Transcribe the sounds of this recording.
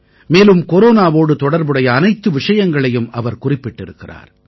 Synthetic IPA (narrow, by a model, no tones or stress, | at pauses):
meːlɯmkɔɾoːnaːʋoːɽɯt̪ɔɽɐɾbɯɽɐjɐːnɐɪt̪ːɯʋɪʂɐjɐŋɡɐɭɐjɯmɐʋɐɾkʊrɪpːɪʈːɪɾɯkːɪra̰ːɾ